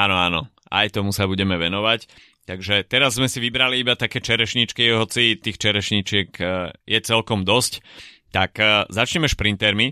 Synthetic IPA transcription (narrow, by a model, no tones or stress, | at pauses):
aːnɔaːnɔ̰ | a̰jt̪ɔmusabuɟɛmɛʋɛnɔʋac | t̪aɡʒɛt̪ɛɾazːmɛsiʋibɾaliibat̪akɛːt͡ʃɛɾɛʃɲit͡ʃkiɦɔt͡sit̪iːxt͡ʃɛɾɛʃɲit͡ʃɪɛkjɛt͡sɛlkɔmd̪ɔsc | t̪akzat͡ʃɲɛmɛʃpɾint̪ɛɾmi